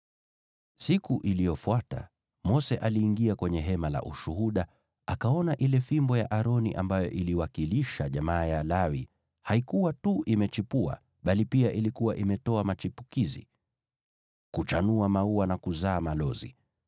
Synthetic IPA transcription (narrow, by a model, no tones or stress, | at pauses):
sikuʔilijɔfwata̰ | mɔsɛʔaliːŋɡiakwɛɲɛɦɛmala̰ʔuʃuhuɗa | akaɔnaʔilɛfimbɔja̰ʔaɾɔnḭʔambajɔ̰ʔiliwakiliʃaʄamaːjalawi | haikuwatuʔimɛt͡ʃipua̰ | ɓalipiaʔilikuwaʔimɛtɔamat͡ʃipukizḭ | kut͡ʃanuamauwanakuzaːmalɔzḭ